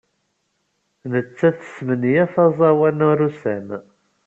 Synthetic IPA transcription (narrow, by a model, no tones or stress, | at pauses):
nət͡sːæθə̥smənjæθɑzˤɑwænuɾusæm